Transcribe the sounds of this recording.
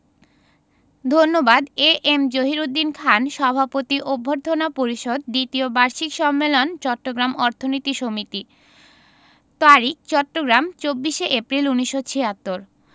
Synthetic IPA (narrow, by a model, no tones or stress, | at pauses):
d̪ʱonːobad̪eʔemd͡ʑoɦiɾud̪ːinkʰanʃɔbʱapot̪iʔobʱːoɾd̪ʱonapoɾiʃod̪d̪it̪iobaɾʃikʃɔmːelont͡ɕɔʈːoɡɾamɔɾt̪ʰonit̪iʃomit̪i | t̪aɾik̚t͡ɕɔʈːoɡɾamt͡ɕobːiʃeʔepɾiluniʃːot͡ɕʰeat̪ːoɾ